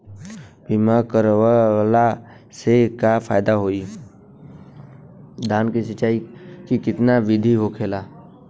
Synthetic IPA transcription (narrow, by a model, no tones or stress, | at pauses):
biːmaːɾkəɾʋla | sekafʰaːjd̪aɦoːi | d̪ʱaːnkisət͡ʃaːikikɪt̪naʋɪd̪ʱiɦokʰeːlaː